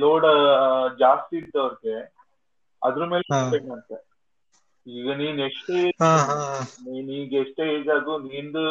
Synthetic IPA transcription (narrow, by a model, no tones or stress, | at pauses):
loːɖɐd͡ʒaːst̪iiɾt̪ɐʋɐɾɡe | ɐd̪ɾɐme̞ːleiekɐnt̪e | iːɡɐniːneʂʈe | niːniːɡeʂʈeːeːd͡ʒaːɡ̪uniːnd̪u